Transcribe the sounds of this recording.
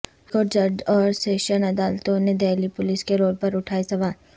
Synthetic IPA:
kod͡ʒɐɖɔːɾseːʃənɐd̪aːlt̪õned̪eːlipʊlɪskeɾoːlpɐɾʊʈʰaːisɐʋaːl

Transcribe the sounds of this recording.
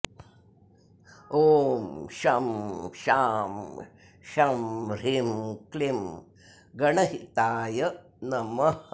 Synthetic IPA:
oːmʃɐmʃaːm | ʃɐmɾimklim | ɡɐɳɐɦit̪aːjɐ | nɐmɐ

